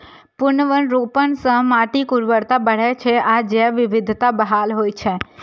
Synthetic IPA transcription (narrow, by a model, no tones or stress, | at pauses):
pʊnəʋənɾoːpəɳsə̃ɦmaːʈikʊɾʋəɾt̪abəɽ̤ɛt͡ʃʰeʔad͡ʒɛʋɪʋɪd̪ʱt̪abəɦaːlɦoːit͡ʃʰe